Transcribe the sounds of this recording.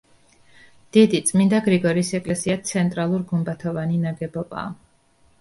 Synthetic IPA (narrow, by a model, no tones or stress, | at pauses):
d̪̥id̪it̪sʼmind̪aɡɾiɡɔɾiːsɛkʼlɛsiat̪sʰɛnt̪ʼɾalˠuɾɡumbat̪ʰɔvaninaɡɛbɔba̰ː